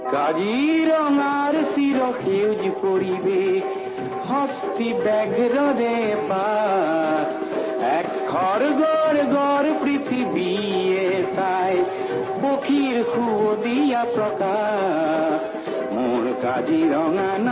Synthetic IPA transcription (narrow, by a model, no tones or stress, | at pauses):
kad͡ʒiɾɔŋaɾsiɾɔkʰewd͡ʒkoɾibe | hɔst̪ibɛɡʱɾɔɾeba | ɛkkʰɔɾɡɔɾɡɔɾpɾit̪ʰibiet̪aj | bokʰiɾkʰuod̪ijapɾɔka | muɳ̃kad͡ʒiɾɔŋan